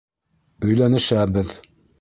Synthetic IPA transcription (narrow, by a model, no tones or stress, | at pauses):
ɵ̆jlænɘ̆ʃæbɘð